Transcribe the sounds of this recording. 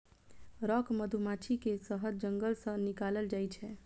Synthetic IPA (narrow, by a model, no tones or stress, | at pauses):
ɾɔkməd̪ʱumat͡ʃʰikesəɦəd̪̚d͡ʒəŋɡəlsə̃nikaləld͡ʒajt͡ʃʰɛ